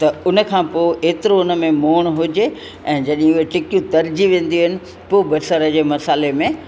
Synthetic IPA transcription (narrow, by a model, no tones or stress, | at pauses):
t̪ɐʊnə̆kʰãːpoːeːt̪ɪɾoʊnə̆mẽmoːɽ̃ɦʊd͡ʑe | ɛ̃ːd͡ʑɐɗĩʊɦet͡ɕɪkijũt̪ɐɾd͡ʑiʋẽːn̆d̪iuɦɪnɪ̆ | poːbɐsəɾəd͡ʑeːmɐsaːlemẽ